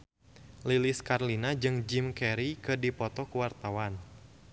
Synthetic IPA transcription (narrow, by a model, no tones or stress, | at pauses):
liliskarlinad͡ʒɨŋd͡ʒimkɛɾikɨdipɔt̪ɔkuwart̪awan